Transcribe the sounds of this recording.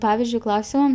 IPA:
ˈpɑːʋʲɪzʲd͡ʒʲʊɪ ˈklˠɐʊsʲoːm

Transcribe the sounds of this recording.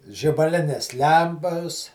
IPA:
ʒʲɪbɐˈlʲɪnʲeːs ˈlʲɛmpɐs

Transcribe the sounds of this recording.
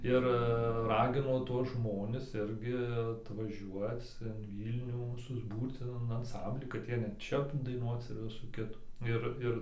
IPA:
ˈɪr ˈrɑːɡʲɪnoː ˈtuɔs ˈʒmoːnʲɪs ˈɪrʲɡʲɪ ɐtʋɐˈʒʲuɔt͡s ɪn ˈʋʲiːlʲnʲuː sʊzˈbuːrt͡s ɪn ɪn ɐnˈsɐmʲbʲlʲiː kɐt ˈjiɛ nʲɛt ˈt͡ʃʲɛ dɐɪˈnuɔt͡s ɪr ˈʋʲɪsuː ˈkʲɪtuː ˈɪr ˈɪr

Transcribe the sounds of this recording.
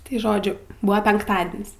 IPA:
tɐɪ ˈʒoːd͡ʒʲʊ ˈbʊɐ pʲɛŋkˈtɑːdʲɪnʲsʲ

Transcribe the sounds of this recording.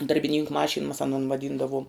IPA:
dɐrʲbʲɪˈnʲiːŋkʊ ˈmɑːʃʲɪn mɐs ɐˈnoːn ʋɐˈdʲiːndɐʋoːm

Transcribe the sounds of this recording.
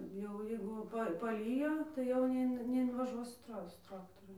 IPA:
jɛʊ ˈjɛɪɡʊ ˈpɐ pɐˈlʲiːjoː tɐɪ jɛʊ nʲɛˈɪn nʲɛɪnʋɐˈʒuɔs sʊ ˈtrɐ ˈsʊ ˈtrɑːktoːrʊ

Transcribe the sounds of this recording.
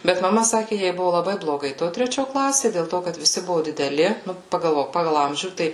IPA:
ˈbʲɛt mɐˈmɐ ˈsɑːkʲɪ ˈjɛɪ ˈbʊʋʊ lˠɐˈbɐɪ blˠoːˈɡɐɪ ˈtoː tʲrʲɛˈt͡ʃʲoː ˈklˠɑːsʲeː dʲeːlˠ ˈtoː kɐt ʋʲɪˈsʲɪ ˈbʊʋʊ dʲɪdʲɛˈlʲɪ ˈnʊ pɐɡɐlˠˈʋoːk ˈpɑːɡɐlˠ ˈɐmʲʒʲuː ˈtɐɪ

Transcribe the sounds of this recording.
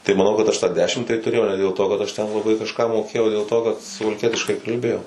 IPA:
tɐɪ mɐˈnɐʊ kɐt ɐʃ tɑː ˈdʲæːʃʲɪm tɐɪ tʊˈrʲeːjɛʊ nʲɛ dʲeːlˠ toː kɐt ɐʃ tʲɛn lˠɐˈbɐɪ kɐʃˈkɑː moːˈkʲeːjɛʊ oː dʲeːlˠ ˈtoː kɐt sʊʋɐlʲˈkʲiɛtʲɪʃkɐɪ kɐlʲˈbʲeːjɛʊ

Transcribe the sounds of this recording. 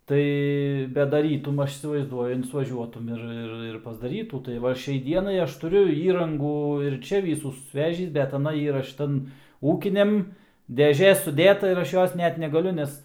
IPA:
ˈtɐɪ bʲɛt dɐˈrʲiːtʊm ˈɐʃ iːsʲɪʋɐɪzˈduɔjʊ ɪnsʋɐˈʒʲuɔtʊm ɪr ˈɪr ɪr pɐzdɐˈrʲiːtuː tɐɪ ˈʋɐ ˈʃʲɛɪ ˈdʲiɛnɐɪ ˈɐʃ tʊˈrʲʊ ˈiːrɐŋɡuː ɪr ˈt͡ʃʲɛ ˈʋʲiːsuː sʊsʲˈʋʲæːʒʲiːs bʲɛt ɐˈnɐ ˈiːrɐ ˈʃʲɪtɐn ˈuːkʲɪnʲɛm dʲɛˈʒʲeː sʊˈdʲeːtɐ ɪr ˈɐʃ ˈjoːs ˈnʲɛt nʲɛɡɐˈlʲʊ ˈnʲɛs

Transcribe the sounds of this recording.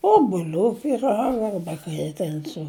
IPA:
oːbʊˈlʲuː pʲiːˈrɑːɡɐ ˈɐrbɐ kɐɪ ɪ ˈtʲɛn sʊ

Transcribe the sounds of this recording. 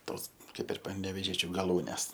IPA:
ˈtoːs ˈkɐɪp ɪr pɐnʲɛʋʲeːˈʒʲiɛt͡ʃʲʊ ɡɐˈlˠuːnʲɛs

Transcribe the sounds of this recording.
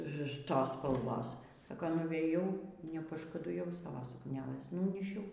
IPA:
ˈtoːs spɐlˠˈʋoːs ˈsɑːkɐ nʊʋʲeːˈjɛʊ nʲɛpɐʃkʊdʊˈjɛʊ ˈsɑːʋoː sʊkˈnʲæːlʲeːs ˈnʊnʲiːʃʲɛʊ

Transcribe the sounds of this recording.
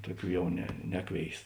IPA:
ˈtʊˌkʲuː ˈjɛʊ nʲɛ ˈnʲæːˌkʋʲeːɪs

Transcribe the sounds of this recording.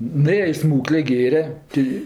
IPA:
nʊˈeːjɛ ɪ ˈsmuːklʲeː ˈɡʲeːrʲɛ ˈtʲɪ

